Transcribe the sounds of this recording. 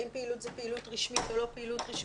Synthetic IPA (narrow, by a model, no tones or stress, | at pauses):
impeilut̪zepeilut̪ʁiʃmitolo̞peilut̪ʁiʃ